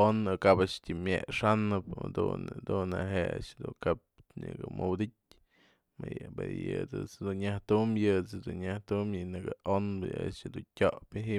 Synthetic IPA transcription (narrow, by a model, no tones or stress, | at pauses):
onɨkabaʔʂtʲimʲjeʔʂanɨpad̪und̪unaɦeʔa̰ʔʂd̪ukap̚ɲɨɡɨmɨwd̪ɨt̚ʲ | majbejɨdɨt͡sd̪unɲaht̪umjɨt͡sd̪unɲaht̪umjɨnɨɡɨonbɨaʔʂd̪untʲoʔpɨɦi